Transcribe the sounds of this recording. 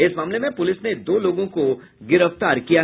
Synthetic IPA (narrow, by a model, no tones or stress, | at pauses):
ɪsmaːmlemẽpʊlɪsned̪oːloːɡõko | ɡɪɾəft̪aːɾkija